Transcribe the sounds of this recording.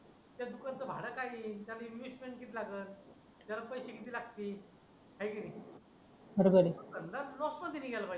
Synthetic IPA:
t̪jad̪ukant͡səbʱaɽəkait̪jalaimjusmeɳʈ̚kit̪ʰilaɡəːt̪ | t̪jalapəjɕekit̪iːlaɡ̚t̪iː | kaikəni | əɾɡəɾit̪ənd̪alɔsmant̪iniːɡʱɛlapaj

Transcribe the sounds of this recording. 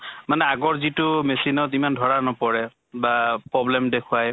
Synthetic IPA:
manɛaɡɔɹzitʊmesinɔtimandʱɔɹanɔpɔɹɛ | bapɹɔblɛmdekʰʊaj

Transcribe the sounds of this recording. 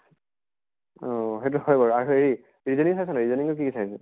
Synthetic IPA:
ɔɦet̬ʊhɔjbɔɹaɹuei | ɹizɔniŋsajsanaɹizɔniŋʊk̬ikisajsɛ

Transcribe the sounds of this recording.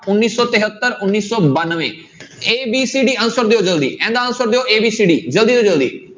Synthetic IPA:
ʊnːiːsɔːt̪ɪɦət̪ːəɾʊnːiːsɔːbaːnʋẽː | eːbiːsiːɖiːənʊsəɾd̪eoːd͡ʒəld̪ḭːʔɛ̃ːnd̪aːənʊsəɾd̪eoːʔeːbiːsiːɖiːd͡ʒəld̪iːd̪oːd͡ʒəld̪ḭː

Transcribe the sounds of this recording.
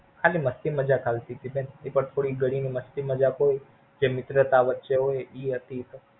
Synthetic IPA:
kʰaliməst̪iməd͡ʒakʰalt̪it̪ʰibenepəɳt̪ʰoɽiɡəɽiniməst̪iməd͡ʒakoj | d͡ʒemɪt̪ɾət̪aʋətːʃeɦojiɦət̪it̪o

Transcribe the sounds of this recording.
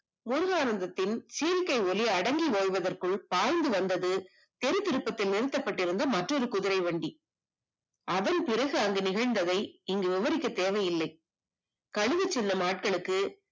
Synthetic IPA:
mʊɾʊɣaːnɐnd̪ɐt̪ːɪnsiɐlkɐɪɔliɐɽɐŋɡiʋoːjʋɐðɐrkɯɭpaːɻnd̪ɯʋɐnd̪ɐðɯ | t̪ɛɾɯt̪ːɪɾɯpːɐt̪ːɪlnɪɾɯt̪ːɐpːɐʈːɪɾɯnd̪ɐmɐʈrɔɾɯkʊðɪɾɐɪʋeːɳɖi | ʔɐðɐnpɪɾɐɣɯɐŋɡɯnɪɣɐɻnd̪ɐðɐɪɪŋɡɯʋɪʋɐɾɪkːɐt̪ːeːʋɐjɪlːɐɪ | kɐɻɯɣɐt͡ʃːɛnːɐmaːʈ̚kɐɭɯkːɯ

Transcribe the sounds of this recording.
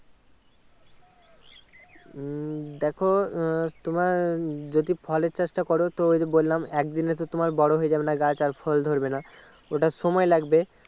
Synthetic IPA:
d̪ɛkʰot̪omaɾd͡ʑod̪ifʰɔleɾt͡ɕeʃʈakɔɾot̪oojd̪ebolːamɛkd̪inet̪ot̪omaɾbɔɽoɦoed͡ʑabenaɡat͡ɕaɾfʰɔld̪ʱoɾbena | oʈaʃɔmɔelaɡbe

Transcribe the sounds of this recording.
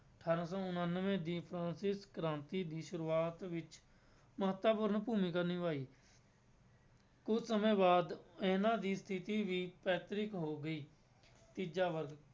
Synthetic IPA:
əʈʰaːɾãːsɔːʊnənːʋẽːd̪iːpʰɾãːnsɪskɾãːnt̪iːd̪iːʃʊɾuːaːt̪ʋɪt͡ʃ | məɦət̪ʋaːpʊɾnpuːmĩːkəɾnĩːʋaːiː | kʊd͡ʒʰsəmẽːbaːd̪eːnãːd̪iːst̪ʰɪt̪iːʋiːpɛːt̪ɾɪkɦoːɡəiː | t̪iːd͡ʒaːʋəɾɡ

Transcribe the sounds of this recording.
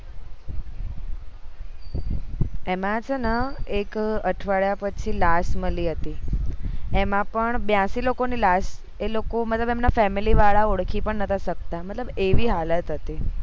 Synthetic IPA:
emãt͡ʃʰənəekəʈʰʋaɭjapət͡ʃʰilasməliɦət̪i | emãpəɳbjãsilokonilas | elokomət̪ləbemnafɛmiliʋaɭaoɽkʰipəɳnət̪ʰasək̚t̪amət̪ləbeʋiːɦalət̪ɦət̪i

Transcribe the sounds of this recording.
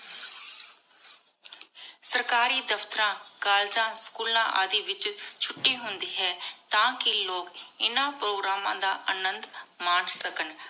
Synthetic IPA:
səɾkaːɾiːd̪əft̪əɾãːkaːld͡ʒãːskuːlã̰ːʔa̰ːd̪iːʋɪt͡ʃt͡ʃʰʊʈːiːɦʊnd̪iːɦɛːt̪ãːkɪloːkɪnãːpɾoːɡɾaːmãːd̪a̰ːʔənənd̪maːnsəkən

